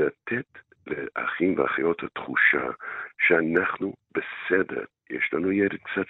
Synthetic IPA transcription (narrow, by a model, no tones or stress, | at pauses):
at̪ʰet | leʔa̰χimvea̰χajothat̪χuʃa̰ʃeanaχnub̥esedḛɾjɛʃlanujɛɾed̥̪̚kt͡sat